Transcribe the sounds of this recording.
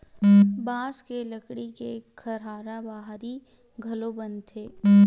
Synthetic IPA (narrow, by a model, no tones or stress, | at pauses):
baːskeləkɽikekʰɐɾaːɾabaːɦɾi | ɡʱɐlobɐ̃nd̪t̪ʰeː